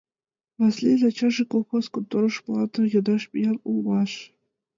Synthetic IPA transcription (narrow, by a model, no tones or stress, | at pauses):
vɑslʲelʲɑt͡ɕɑʐikolˠxoskɤ̆t̪ɤ̆ɾɤ̆ʂplˠɑt̪ɤ̆jɤ̆d̪ɑʂpʲijɑlulˠmɑʂ